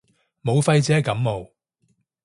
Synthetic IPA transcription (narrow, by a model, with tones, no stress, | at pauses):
mo˨˧wfɐ˧jt͡sɛː˨˥kɐ˨˥mmo˨˧w